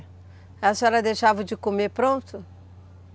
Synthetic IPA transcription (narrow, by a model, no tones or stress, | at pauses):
ɛsɛlɐd̪ejʃavɐd͡ʒɪkomepɾõt̪ʊ